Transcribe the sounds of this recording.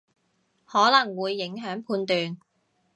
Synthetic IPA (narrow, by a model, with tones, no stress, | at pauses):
hɔː˨˥lɐ˨˩ŋwuː˨˧jːɪ˨˥ŋɦœː˨˥ŋpʰuː˧nt̪yː˨˧n